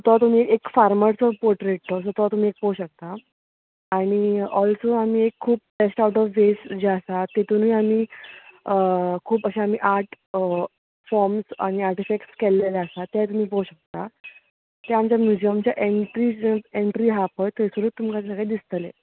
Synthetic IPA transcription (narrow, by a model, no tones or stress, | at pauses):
ɔt̪ɔt̪um̤iekfaɾməɾt͡sɔpoɾʈɾeʈ̚t̪ɔsɔt̪ɔt̪um̤iːek̚pəwɕək̚t̪aː | ɽ̃iɔlsoam̤iːekʰːuːp̚besʈauʈɔʋʋesd͡ʑeəsat̪et̪un̤iːam̤iː | əkʰuːpəɕeam̤iʔaɾʈ | fɔɾmsa̰ɽ̃iaɾʈifek̚ʈskelːelaəsat̪jajt̪um̤iːpəuɕək̚t̪a | t̪eamt͡ɕjamjud͡ʑijəmt͡ɕjaʔeɳʈɾiəeɳʈɾiːɦapət̪esuɾuːt̪ːumkat̪səɡɭed̪ist̪əlḛ